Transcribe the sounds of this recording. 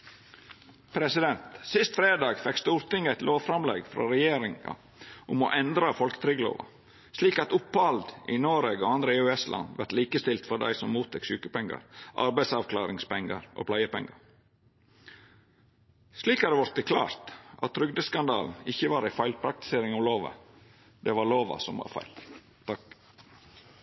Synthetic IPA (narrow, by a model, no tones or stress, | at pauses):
pʰɾɛsɪd̪ɛnt̪sɪst̪fɾeːd̪ɑːɡfɛkst̪uːɾt̪ɪŋæɪt̪lʔoːʋfɾɑmlḛːɡfɾo̰ɾɛjeːɾɪŋɑ̰ | ʔʊmo̰ʔɛnd̪ɾɑfɔlkət̪ʰɾʏɡlo̰ːʋɑ̰ | sliːkɑt̪ʊpːɑld̪ʔɪ̰noːɾeːɡoɑnd̪ɾəeʉɛslɑ̰nʋæɾʈ̪liːkəst̪ɪlt̪fɔd̪æ̰ɪsɔmmuːt̪ʰɛksʉːkəpɛŋɡɑ̰ɾʔɑ̰ɾbæɪsɑʋkʰlɑːɾɪŋspɛŋɡɑɾʔo̰ːpʰlæɪəpɛŋːɑɾ | sliːkæd̪ɛʋɑɾt̪ːəkʰlɑ̰ːɾt̪ʔɑ̰t̪ʰːɾʏɡ̚d̪əskɑnd̪ɑ̰ːln̩ɪçːəʋɑːɾæɪfæɪlpʰɾɑkt̪ɪ̥seːɾɪŋɑʋloːʋə̰ | d̪ɛʋɑɾloːʋɑ̰sɔmʋɑ̰ɾfæ̰ɪl | t̪ɑ